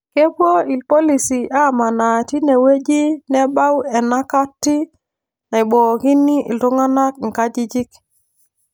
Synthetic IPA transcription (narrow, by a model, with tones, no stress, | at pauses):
ke˦bwo˦i˨lpɔ˦li˨si˨ʔa˦ma˨na˨ti˦ne˨we˦d͡ʒi˦nɛ˦ba˦wɛ˨na˦ka˦tːi˦ | na˨i˨ɓɔ˨ki˦ni˦ʔltu˦ŋa˦na˦k̚ŋ̩˨ka˦d͡ʒi˦d͡ʒi˦k